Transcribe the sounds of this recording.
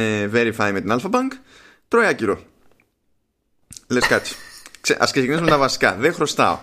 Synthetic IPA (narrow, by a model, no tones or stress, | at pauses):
eveɾifɐime̞t̪inɐlfɐpɐŋk | t̪ɾo̞iɐciɾo̞ | leskɐt̪t͡si̥kseʔɐ̰sksecinizumet̪ɐvɐsi̥kɐ̰ðexɾo̞st̪ɐ̰o̞̰